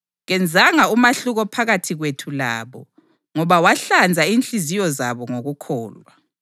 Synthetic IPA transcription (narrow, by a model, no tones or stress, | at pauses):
ɣɛnd͡zʱaŋaumaɬuɣɔpʰaɣatʰiɣwetʰula̰ːβɔ̰ | ŋɔβawaɬand͡zʱainɬizijɔzaβɔŋoɣukʰɔːlwa